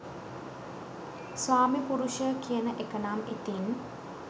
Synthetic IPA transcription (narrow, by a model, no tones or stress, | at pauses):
sʋaːmipuɾuʃəkijənəʔekənamit̪in